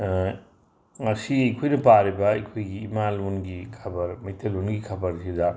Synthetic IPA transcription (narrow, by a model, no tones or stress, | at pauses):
ŋɐsiɐjkʰojnɐpaɾibɐɐjkʰojɡiːmalunɡikʰɐbɐɾmɐjtʰɐlunɡikʰɐbɐɾsidɐ